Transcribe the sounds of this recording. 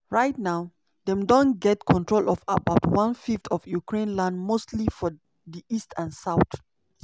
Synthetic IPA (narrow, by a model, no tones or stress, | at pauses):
ɹaɪtnaʊ | dɛ̃mdõnɡɛtkʰɔ̃ntɹolʔɔvəbaʊtwãnfiftʰɔvjukɹẽnlãndmostʰlifɔ | diʔistʰãnsaʊt